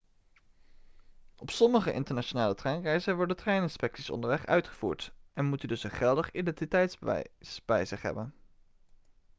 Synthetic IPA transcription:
ɔpsɔməχəʔɪ̰ntəɹnaʃonaːlətrɛjnrɛjzənʋɔɹdəntrɛjnɪnspɛktsisɔ̰ndəɹʋɛχœ̰ɥtχəv̥ṵːɹtʔɛnmutədɵsənχɛlˠdəχidɛntitɛjtzbə̰sbɛjzɪχɦɛ̰bən

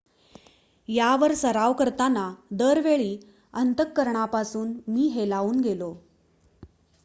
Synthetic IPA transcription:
jaʋəɾsəɾaʋkəɾt̪anad̪əɾʋeɭiː | ənt̪əkːəɾɳapasuːnmiːɦelaʋuːnɡelo

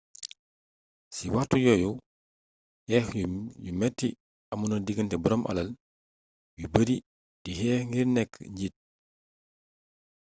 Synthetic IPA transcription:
siwatːujɔju | hɛxjumɛtːi | ɐmunɐdiɡəntɛbɔɾɔmʔɐ̰lɐl | wibəɾi | dihɛŋɡiɾnɛkːɲɟit̚

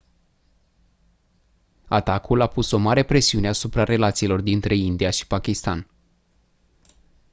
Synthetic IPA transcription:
at̪akulapuso̞maɾe̞pɾe̞siune̞asupɾaɾe̞lat̪siːlo̞rd̪int̪ɾe̞ind̪ijaʃi̥pakʲist̪a̰n

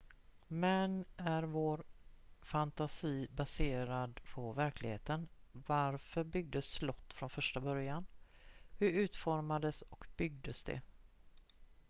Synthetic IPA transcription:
mɛnæɾvoːɾfant̪asiːbaseːɾad̪pʰɔvæɾklɪɡheːt̪ənvaɾfœɾbʏɡ̚d̪əsːlɔt̪ːfɾɔnfœʂʈabœɾjanhɵɾʉ̟ːt̪fɔɾmad̪əsɔkb̥ʏɡ̚d̪əsd̪ɛ̰

